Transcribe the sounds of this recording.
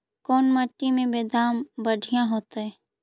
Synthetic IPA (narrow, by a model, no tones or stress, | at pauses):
kɔːnmaʈːimẽbeːd̪aːmbəɖʱijãɦoːt̪ɦɛː